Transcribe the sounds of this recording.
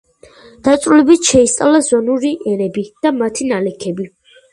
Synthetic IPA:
d̪̥at̪sʼɾulɛbit̪ʃɛist̪sʼa̰lazɔnuɾiʔɛnɛbid̪̥amat̪ʰinalɛkʰɛbi

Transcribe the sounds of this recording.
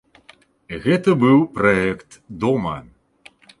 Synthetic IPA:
ɣɛt̪ɐbɨwpɾɐɛkt̪d̪ɔmɐ

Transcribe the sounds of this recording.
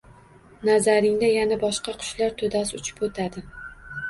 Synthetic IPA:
nazaɾɪŋd̪ajanabɒʃqɑqʰʊ̥ʃlaɾt̪ʰod̪as̬ʊt͡ʃʰɪ̥pot̪ʰad̪ɪ

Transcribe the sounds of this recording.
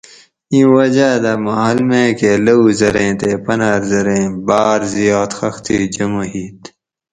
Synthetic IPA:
ĩːwɐd͡ʑaːd̪amɐɦɐlmẽːkelɐuzɐɾẽːt̪epɐnaːɾzɐɾẽːbaːɾzijoːt̪xɐxt̪ḭːd͡ʑɐmoɦiːt̪

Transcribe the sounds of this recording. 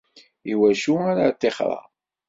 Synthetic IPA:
iwæʃuaɾat̪ːeχɾˤɑ̰

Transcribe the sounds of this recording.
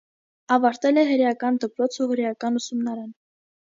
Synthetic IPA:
ɑvɑɾt̪ɛlɛɦəɾjɑkɑnd̪əpɾɔt͡sʰuɦəɾjɑkɑnusumnɑɾɑn

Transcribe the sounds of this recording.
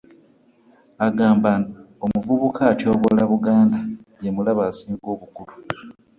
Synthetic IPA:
aɡaːmbanaomuvuβukʰaːtjo̞ːβolaβuɡaːndajemulaβaːsiːŋɡo̞ːβukulu

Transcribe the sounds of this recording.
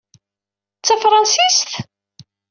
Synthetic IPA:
t͡sːæfɾˤɑnsist̪

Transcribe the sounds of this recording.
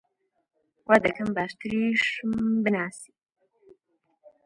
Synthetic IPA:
waːd̪ɐkʰɐmbaːʃt̪ɨɾiʃmbɨnaːsi̥

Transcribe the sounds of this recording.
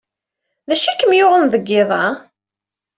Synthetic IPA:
ðæʃækːəmjʊʁənðəɡːɪðˤɑ

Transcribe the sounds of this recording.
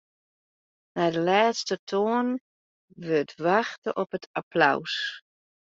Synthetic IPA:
nadəlaːtstətʰoən | ʋøtʰʋaxtə̰ʔɔpətʰapla̰ws

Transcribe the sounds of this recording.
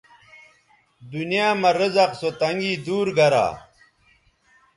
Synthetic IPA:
d̪unijaːmɐɾəzɐqsot̪ɐŋɡiːd̪uːɾɡɐɾa̰ː

